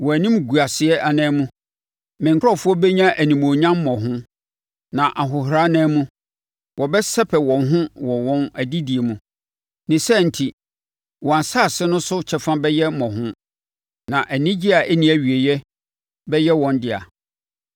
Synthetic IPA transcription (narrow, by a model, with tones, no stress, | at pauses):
wɔ˨æ˨nĩ˦mɡu˨a˨sɪ˨ɛ˦ʔa˨nɛ̃˦mũ˦ | mɪ̃˨ŋkʰɔ˦˨fʊ˦ɔ˦bɛ˦ɲã˦ʔæ˨nĩ˨mo˨ɲã˦mː˦mɔ̃˨ɦʊ̃˦ | nã˨ʔa˨ɦʊ˨ɦɾa˦nɛ̃˦mũ˦ | wʔɔ˨bɛ˦sɛ˦pʰɛ˨wɔ̃˨nɦʊ̃˦wɔ˨wɔ̃˦næ˨di˦di˨e˨mũ˨ | nɪ̃˨sɛ˦n̩˨tʰi˨ | wɔ̃˨a˨saː˦˨sɪ˦nʊ̃˦sʊ˦t͡ɕʰɛ˦fã˦bɛ˦jɛ˦mɔ̃˨ɦʊ̃˦ | nã˨ʔæ˨nĩ˦d͡ʑi˦a˨ʔæ˦nĩ˨˦æ˨ɥi˨e˨jɛ˦ | bɛ˦jɛ˦wɔ̃˨ndɪ˦a̰˨